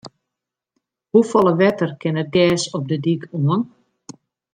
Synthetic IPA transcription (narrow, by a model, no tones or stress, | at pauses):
hufɔlˠəʋɛtərkɪnəɡɛːsɔp̚dədikʰuən